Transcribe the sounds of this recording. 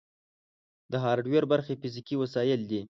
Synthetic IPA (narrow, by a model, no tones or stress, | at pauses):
d̪əɦɑɾɖweɾbaɾxefizikiwasɑjɪld̪i